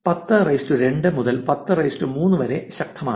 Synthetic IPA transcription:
pɐt̪ːɨrɐjstuɾe̞ɳɖɨmuðɐlpɐt̪ːɨrɐjstumuːnːɨʋɐɾe̞ɕɐk̚t̪ʰːɐmaːɳ

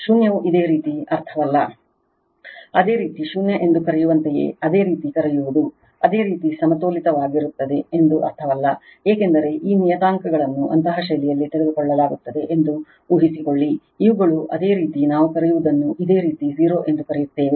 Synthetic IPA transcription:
ʃunjɐʋuʔid̪e̞ːɾiːt̪iɐɾt̪ʰɐʋɐlːɐ | ɐd̪e̞ːɾiːt̪iʃunjɐʔe̞nd̪ukɐɾɛjuʋɐnt̪ɛjḛːɐd̪e̞ːɾiːt̪ikɐɾɛjuʋud̪u | ɐd̪e̞ːɾiːt̪isɐmɐt̪oːlit̪ɐʋaːɡiɾut̪ːɐd̪e̞ːnd̪uʔɐ̰ɾt̪ʰɐʋɐlːɐeːke̞nd̪ɐɾe̞ʔiːnijɐt̪aːŋkɐɡɐɭɐnːuʔɐ̰nt̪ɐɦɐʃɐlijɐlːit̪iɾed̪ukɔɭːɐlaːɡut̪ːɐd̪e̞ʔend̪u | uːɦisikoɭːiː | ʋuɡɐɭuʔɐd̪e̞ːɾiːt̪inaːʋukɐɾɛjuʋud̪ɐnːuʔid̪e̞ːɾiːt̪iɦiːɾo̞ːʔe̞nd̪ukɐɾɛjut̪ːeːʋe

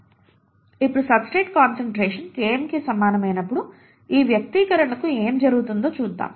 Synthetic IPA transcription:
ipːuɽusɐbsʈeːʈkaːnsɐɳʈɾeːʂɐnkeːmikisɐmːaːnɐmɐjnɐpːuɽu | iːʋjɐk̚t̪ikɐɾɐɳɐkueːmd͡ʒɐɾuɡut̪und̪o̞ːt͡ʃuːd̪ːa̰ːm

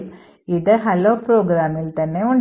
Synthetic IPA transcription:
ɪðɐɦɐloːpɾoːɡɾaːmɪlt̪ɐnːeʊɳ

